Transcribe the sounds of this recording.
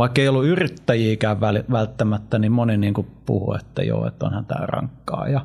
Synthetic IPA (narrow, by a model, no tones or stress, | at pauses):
ʋɑˑikːeijolːuyrit̪ːæjiːkæːʋʋæliʋælt̪ːæmæt̪ːænimmoniniːŋkupṵhṵḛt̪ːæ̰jo̰ːḛt̪ːo̰nhænt̪æ̰ːrɑ̰ŋkːɑ̰ːjɑ